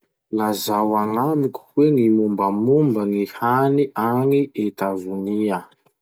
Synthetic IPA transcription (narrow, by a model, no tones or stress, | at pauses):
nazawaŋamikʲu̥weŋimumbəmumbəŋihaniʔaŋiʔet̪avunia